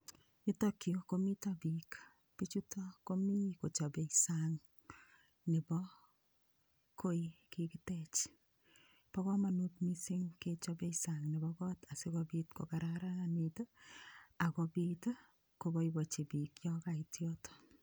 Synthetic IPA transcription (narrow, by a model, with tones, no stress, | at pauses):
i˦tɔkjoko˦mi˦tɔ˦bik | pi˦t͡ʃu˦tɔ˦ko˦mi˦ko˨t͡ʃɔ˨be˨isaŋ | nɪ˨bɔ | kʰo˦ikikitɛt͡ʃ | pɔ˦kɔ˦ma˨nu˦tmi˦si˦ŋket͡ʃɔbe˦isaŋnɪ˨bɔkɔ˦ta˨sɪ˦kɔbitko̰˨kaɾaɾa˦anitə˦ | a˨kɔbit | kobɔibɔ˨t͡ʃi˨bikjɔ˦ka˨itjɔt